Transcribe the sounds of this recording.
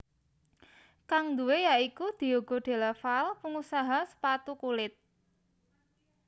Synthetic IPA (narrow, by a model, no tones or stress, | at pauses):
kaŋnd̪ṳwejaikud̪̥i̤oɡ̥ɔ̤ɖ̪̥e̤ləfalpəŋusaɦasə̥pat̪ukulɪt̪̚